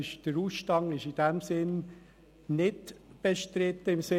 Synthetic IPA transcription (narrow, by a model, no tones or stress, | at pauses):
ɪʃd̥əɾuːsʃtɑŋɪʃɪd̥ɛmsɪn | nɪdb̥eʃtɾɪt̪ːəɪmsɪ